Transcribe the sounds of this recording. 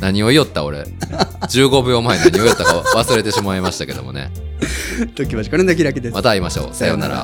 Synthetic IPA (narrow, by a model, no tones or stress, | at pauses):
naɲ̟io̞ijo̞t̪ːao̞ɾe̞̰ | d͡ʑɨːɡo̞bɯ̟jo̞mainaɲ̟io̞jo̞t̪ːakaβasɨɾe̞t̪e̞ɕimaimaɕi̥t̪ake̞d̪o̞̰mo̞̰ne̞̰ | t̪okʲiβaʑikaɾɯnak̬ʲiɾak̬id̪esmat̪aiːmaɕo̞̰ːsajo̞na̰ɾa̰